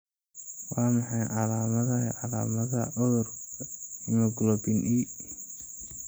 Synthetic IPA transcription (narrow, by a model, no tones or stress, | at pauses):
wɑːmɑħɑjʕɑlaːmɐðɐʕɑlaːmɐðɐʔɔr | ɪmɐɡʊlɔbinʔiː